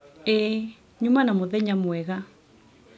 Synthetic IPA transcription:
e | ɲumanamoðɛɲamwɛɣa

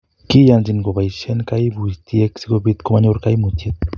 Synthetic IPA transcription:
kijand͡ʒinɡobajʃenkajbust̪ieksikobit̪komaɲoɾkajmut̪et̪̚

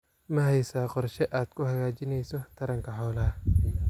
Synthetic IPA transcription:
mɐɦɛjsaːqɔrʃɛʔaːd̪̥kʰʊhɐɣaːt͡ʃɪnɛjsɔt̪ʰɐɾɐŋkʰɐħɔwlaː

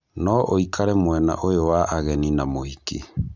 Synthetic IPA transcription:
nɔʔoikʰaɾɛmwɛna̰ʔojowaʔaɣɛninamoike

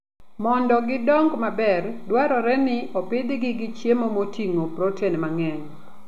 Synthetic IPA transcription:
mɔndɔɡɪdɔŋɡmabɛrdwaɾɔɾɛnɪʔopɪdɪɡɪɡɪt͡ʃjemomotiŋopɾotenmaŋɛɲ

